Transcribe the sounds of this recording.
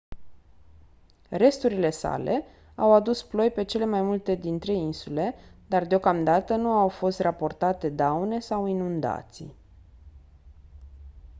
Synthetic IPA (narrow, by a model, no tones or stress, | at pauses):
re̞st̪uɾile̞sa̰le̞̰ | awad̪usplo̞jpe̞t͡ʃe̞le̞majmult̪e̞d̪int̪ɾe̞insule̞d̪ard̪eo̞kamd̪at̪ənuawfo̞st̪rapo̞rt̪at̪e̞d̪awne̞sawinund̪a̰t̪sḭ